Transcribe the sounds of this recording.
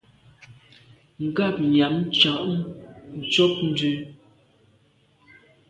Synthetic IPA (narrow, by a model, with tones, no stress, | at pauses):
ŋ̩˨ɡa˦˨p̚ɲa˨˦m˦t͡ʃa˨ʔmn̩˨t͡ʃɔ˦p̚n̩˦dʉ˦